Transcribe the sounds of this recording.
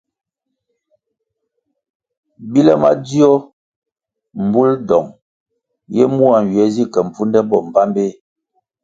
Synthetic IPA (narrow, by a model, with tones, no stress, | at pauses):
bi˦lɛ˦ma̰˦di˦ɔ˦ | m̩˨bu˦ldɔ˨ŋ | jɛ˦mu˦a˨n̩˨ɥɥɛ˨˦zi˦kɛ˨m̩˨pu˦ndɛ˦bɔ˦˨m˨pa˦mbe˦